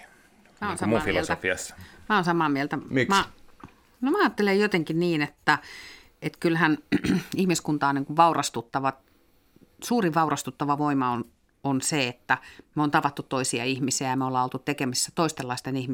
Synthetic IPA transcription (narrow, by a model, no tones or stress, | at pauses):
mæonsɑmufilolsfiɑ̰smæonsɑmɑːmielt̪æmikmmæ | nomæɑːt̪ːelejjot̪eŋkinniːnet̪ːæ | et̪kylhænihmiskunt̪ɑːniːŋkuʋʋɑurɑst̪ut̪ːɑʋɑ | suːriʋʋɑurɑst̪ut̪ːɑʋɑʋoimɑon | onseet̪ːæmeoːnt̪ɑʋɑt̪ːut̪toisiɑ̰ihmisiæjɑmeolːɑːolt̪ut̪ekemisːæt̪oist̪elːɑˑist̪enihmi